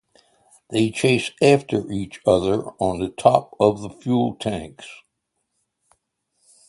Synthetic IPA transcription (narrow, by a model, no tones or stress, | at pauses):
ðeɪt͡ʃʰeɪsæftə˞ʔit͡ʃʌðə˞ə̃nðɨtʰɑp̚ʌvðəfjulˠtʰæ̃ŋks